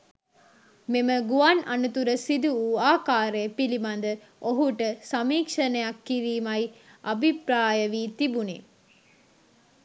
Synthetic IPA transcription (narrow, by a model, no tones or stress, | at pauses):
meməɡuananut̪uɾəsid̪uuːaːkaːɾepilimand̪ə | oɦuʈəsamiːkʂənəjakːiɾiːmajabʱipɾaːjəʋiːt̪ibunḛ